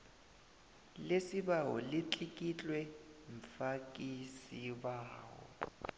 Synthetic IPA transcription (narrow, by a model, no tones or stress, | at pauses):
lesibaɦɔ̰lɪt͡ɬʼikʼit͡ɬʼwɛɱ̩fakʼisibaːɦɔ̰